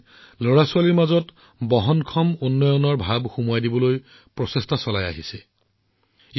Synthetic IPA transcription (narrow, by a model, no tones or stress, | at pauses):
loɹasuwaliɹmazɔt | bɔɦɔnkʰɔmonːɔjɔnɔɹbʱabxumuajdibɔloj | pɹɔsestʰasɔlaja̰ɦisɛ